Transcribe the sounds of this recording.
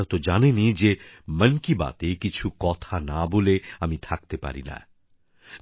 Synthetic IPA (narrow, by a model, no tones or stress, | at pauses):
ɾt̪od͡ʒaːnenid͡ʒemɐnkiba̰ːt̪ekɪt͡ʃʰukɔːt̪ʰanaboːleɐmĩt̪ʰak̚t̪epa̰ːɾḭna̰